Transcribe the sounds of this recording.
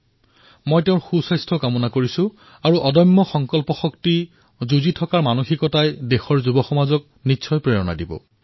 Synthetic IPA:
mojteʊ̃nxusajstʰɔkamɔnakoɹisʊ̃ | aɹuʔɔdɔmːɔxɔŋkɔlpɔxɔkti | zuzitʰɔkaɹmanoxikɔtajdexɔɹzubɔxɔmazɔk̚ | nitːsʰɔjpɹejɔna̰dibɔ̰

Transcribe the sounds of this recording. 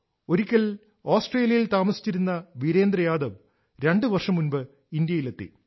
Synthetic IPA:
o̞ɾikʲːɐl | oːsʈreːljɐjilt̪aːmɐsi̥t͡ɕːiɾunːɐʋiɾe̞ːnd̪rɐjaːd̪ɐʋ | ɾe̞ɳɖɨʋɐrʂɐmːunbɨ | ind̪jɐjile̞t̪ːḭ

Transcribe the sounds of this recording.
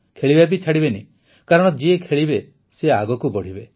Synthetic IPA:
kʰeɭibapit͡ʃʰaɽibenḭ̃ | kaɾɔɽ̃ɔd͡ʒiekʰeɭibe | seaɡɔkubɔɽ̤ibe

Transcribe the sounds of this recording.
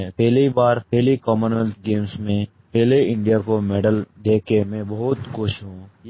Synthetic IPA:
pɛːlibaːɾpɛːlikɔːmənəlt̪ɡeːmsmẽ | pɛːleɪ̃ɳɖijakomɛːɖəld̪eːkemẽbɐɦʊt̪kʊʃʰɦõ

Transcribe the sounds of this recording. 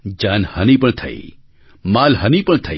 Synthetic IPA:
d͡ʒaːnhɐnipəɳt̪ʰɐ̰ḭ | maːlɦɐnipəɳt̪ʰɐ

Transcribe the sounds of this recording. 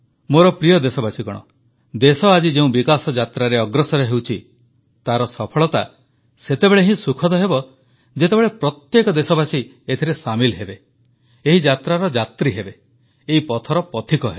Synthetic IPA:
moɾɔpɾijɔd̪esɔbasikɔɽ̃ɔ̰ | d̪esɔad͡ʒid͡ʒeũbikasɔd͡ʒat̪ɾaɾeɔɡɾɔsɔɾeɦewt͡ʃʰi | t̪aɾɔsɔpʰɔɭɔt̪a | set̪ebeɭeɦĩsukʰɔd̪ɔɦebɔ | d͡ʒet̪ebeɭepɾɔt̪jekɔd̪esɔbasi | et̪ʰiɾesamilɦebe | eɦid͡ʒat̪ɾaɾɔd͡ʒat̪ɾiɦebe | eɦipɔt̪ʰɔɾɔpɔt̪ʰikɔɦe

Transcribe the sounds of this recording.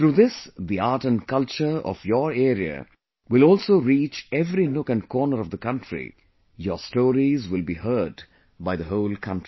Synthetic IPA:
t̪ɾuːðɪsd̪iaːʈə̃nkʌlt͡ʃə˞ɔ̰fjɔɾeːɾiə̰ | wɪlɔːlsoːɾiːt͡ʃɛvɾinʊkə̃nkʰɔːnəɾɔvd̪əkʌ̃nʈɹḭ | jɔ̰stoːɾizwɪlbiːhɜːɖ | baɪðəɦoʊlkʰʌ̃nti

